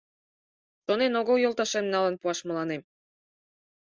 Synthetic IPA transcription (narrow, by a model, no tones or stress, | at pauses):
ʃonenoɣojolˠt̪ɑʃemnɑlənpuɑʃmə̆lɑnem